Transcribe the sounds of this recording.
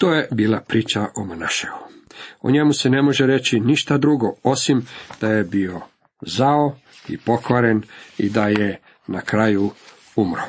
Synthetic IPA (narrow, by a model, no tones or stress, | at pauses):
t̪oːje̞biːlˠapɾiːt͡ʃaʔomanaʃeuo̰ɲe̞muse̞ne̞mo̞ʒeɾe̞t͡ɕiniʃt̪ad̪ɾuɡo̞o̞simd̪̥ajebio̞ | zao | ḭpo̞kʋaɾe̞nid̪aje | nakɾaju | umɾo